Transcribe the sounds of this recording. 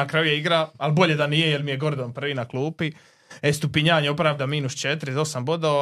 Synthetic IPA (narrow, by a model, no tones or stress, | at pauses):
nakɾajujeiɡɾaalˠbo̞ʎed̪anijejelmijeɡo̞ɾd̪onprʋiːnaklˠuːpi | est̪upiɲaːɲeo̞pɾavd̪amiːnust͡ʃet̪ɾizo̞sambo̞d̪o